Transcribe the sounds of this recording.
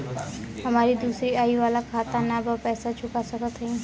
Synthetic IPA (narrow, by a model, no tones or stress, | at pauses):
ɦəmaːɾid̪uːsɾiaːiʋalakʰaːt̪anabəpɛːsat͡ʃʰʊkasəkət̪ɦəĩ